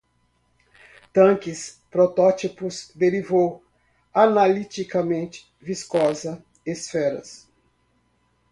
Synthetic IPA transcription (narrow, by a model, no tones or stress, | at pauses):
t̪ɐ̃kɪs | pɾɔt̪ɔt͡ʃipʊzd̪eɾivow | analit͡ʃ̪ikɐmẽnt͡ʃɪ̥ | viskɔzɐ | esfɛɾɐs